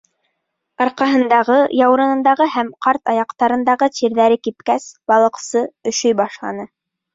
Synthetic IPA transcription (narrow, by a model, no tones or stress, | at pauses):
ɑɾqɑɦɤ̆nd̪ɑʁɤjɑwɾɤ̆nɤ̆nd̪ɑʁɤɦæmqɑɾt̪ɑjɑqt̪ɑɾɤ̆nd̪ɑʁɤt̪iɾðæɾɘkip̚kæsbɑlˠɤ̆qsɤɵ̆ʃɵjbɑʃlˠɑ̰nɤ